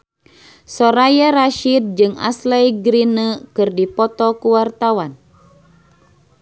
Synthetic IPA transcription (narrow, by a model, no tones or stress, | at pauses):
sɔɾajaɾaʃid̪̚d͡ʒɨŋa̰slɛjɡɾinəkɨrdipɔt̪ɔkuwart̪awan